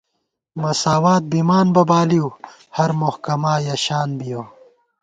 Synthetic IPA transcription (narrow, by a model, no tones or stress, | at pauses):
mɐsaːwaːt̪̚bimaːnbɐbaːliw | hɐɾmohkɐmaːjɐɕaːnbijoː